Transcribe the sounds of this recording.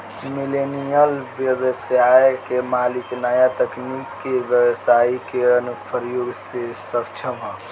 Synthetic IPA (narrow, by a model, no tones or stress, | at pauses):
milenijəlbjəʋəsjajekemaːliknəjat̪əknikːeʋjəwsaikeənupʰəɾjoːɡsesəbt͡ʃʰəmɦo